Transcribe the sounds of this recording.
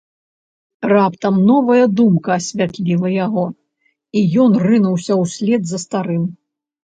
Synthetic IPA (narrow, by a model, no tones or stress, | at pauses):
rapt̪ɐmnɔvɐjɐd̪umkɐːsʲvʲat̪lʲilˠɐjaɣɔ | ijɔnrɨnuwsʲɐwsʲlʲɛd̪zɐst̪aɾɨm